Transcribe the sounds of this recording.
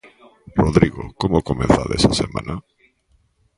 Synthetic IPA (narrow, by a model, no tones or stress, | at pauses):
roðɾiɣokomokomẽnθaðḛsasemã̰nʔa